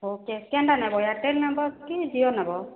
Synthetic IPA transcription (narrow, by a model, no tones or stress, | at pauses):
ɦokɛskɛndanabɔjatelnabɔkizijɔnabɔ